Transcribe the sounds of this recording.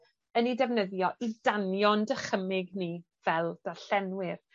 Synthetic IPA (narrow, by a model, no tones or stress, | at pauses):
ənidɛvnəðjɔʔidanjɔndəχəmɪɡniː | v̥ɛlˠd̥aɬɛnwɪr